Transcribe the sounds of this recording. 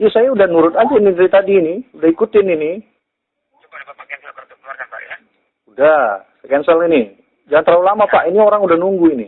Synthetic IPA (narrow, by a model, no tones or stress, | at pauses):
jasajaudahnuɾʊt̪̚aanidəɾit̪adiːniudahikut̪ɪnini | aa̰j | udasəkɛnsəlini | d͡ʒaŋant̪əɾaulamapaʔinioɾaŋudahnuŋɡuinḭ